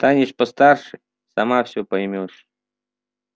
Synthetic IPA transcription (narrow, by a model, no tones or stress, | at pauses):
t̪anʲɪʂpɐst̪arʂɨj | sɐmafsʲɔpɐjmʲoʂ